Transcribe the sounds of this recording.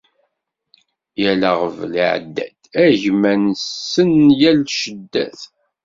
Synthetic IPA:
jælæʁəvliʕ̰d̪ːæ̰d̪æʝmænsːənjælʃəd̪ːæ̰θ

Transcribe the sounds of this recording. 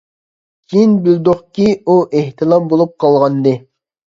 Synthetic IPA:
kʰʲinbɪld̪oχkʲiuʔeht̪ʰɨlˠɑmbolˠup̚qʰɑlˠʁɑnd̪ɨ

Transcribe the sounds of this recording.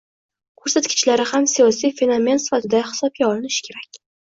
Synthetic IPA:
kʰɵɾsat̪kʲɪ̥t͡ʃlaɾɪhamsijɒsijfe̞no̞me̞nsɪ̥fat̪ʰɪd̪ahɪ̥sɒp̚ɡʲaɒlɪnɪʃkʲʰe̞ɾakʲ

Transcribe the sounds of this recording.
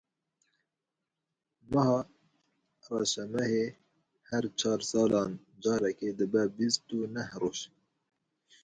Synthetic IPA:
məhɑː | rɑːʃɛmɛhe | hɛɾt͡ʃʰɑːɾsɑːlɑːn | d͡ʒɑːɾɛked̪əbɛbist̪unɛhroːʒ

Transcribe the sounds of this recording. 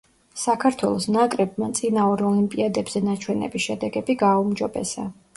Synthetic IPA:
sakʰaɾt̪ʰwɛlˠɔsnakʼɾɛbmat̪sʼinauɾɔlimpʼiad̪ɛbz̥ɛnat͡ʃʰwɛnɛ̰bisʃɛd̪ɛɡɛbiɡaumd͡ʒɔbɛ̰sa̰

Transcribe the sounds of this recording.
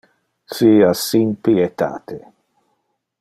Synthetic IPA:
siasimpiet̪a̰ːt̪ʰe

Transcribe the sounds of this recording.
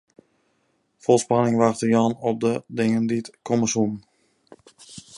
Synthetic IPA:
fɔlˠspanɪŋʋaxtəjɔnɔp̚dədɪŋənditkʰɔməsunn

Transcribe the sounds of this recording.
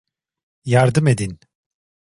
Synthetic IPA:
jaɾd̪ɯmed̪in

